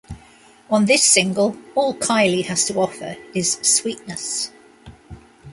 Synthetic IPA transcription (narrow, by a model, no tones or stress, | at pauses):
ə̃nðɪsɪ̃ŋɡəlˠɔːlˠkʰaɪlihəz̥tʰəɒfə̰ɹɪz̥swiˑʔnəs